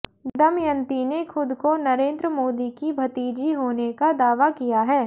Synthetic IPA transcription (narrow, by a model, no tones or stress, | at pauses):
d̪ɐmjɐ̃nt̪inexʰʊd̪konɐɾẽːnd̪ɾəmoːd̪ikibʱɐt̪iːd͡ʒiɦoːnekad̪aːʋakijaɦɛː